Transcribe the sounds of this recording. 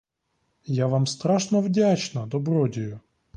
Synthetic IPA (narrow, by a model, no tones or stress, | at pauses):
jaʋamst̪ɾaʂnɔvdʲat͡ʃnɐd̪ɔbɾɔdʲɪjʊ